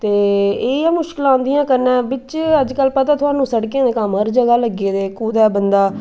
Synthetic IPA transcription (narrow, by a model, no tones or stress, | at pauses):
t̪eːeːɛːmʊʃkɪlãːnd̪ɪjãːkəɾnɛ̃ːbɪt͡ʃəd͡ʒkəlːpət̪aːt̪ʰʊaːnũːsəɽkejãːd̪eːkəmɦəɾd͡ʒəɡaːləɡeːd̪eːkuːd̪ɛːbənd̪aː